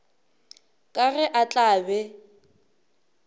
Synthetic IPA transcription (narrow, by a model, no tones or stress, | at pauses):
kʼaɣɛʔat͡ɬʼaːbɛ